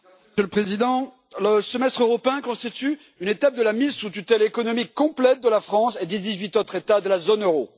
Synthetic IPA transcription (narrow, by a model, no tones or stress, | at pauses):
sjøləpχezid̪ɑ̃ | ləsəmɛst̪χøʁɔpeɛ̃kɔ̃st̪it̪y | ynet̪ap̚d̪əlamizsut̪ut̪ɛlekɔnɔmikːɔ̃plɛt̪̚d̪əlafχɑ̃sed̪ed̪izɥit̪ot̪χet̪ad̪əlazonøʁo